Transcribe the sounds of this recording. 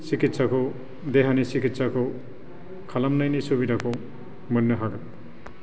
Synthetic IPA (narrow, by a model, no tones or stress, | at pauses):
sikit̪sʰako | d̪eɦanisikit̪sako | kʰalamnʌjnisubidʱako | mʌnːʌɦaɽ